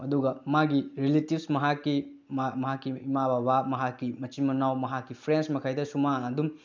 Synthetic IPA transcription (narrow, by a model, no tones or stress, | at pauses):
ɐduɡɐmaɡiɾiletibsmɐɦakːimmɐɦakːiimababamɐɦakːimɐt͡ʃimɐnawmɐɦakːipʰɾensmɐkʰajdɐsumaɐdum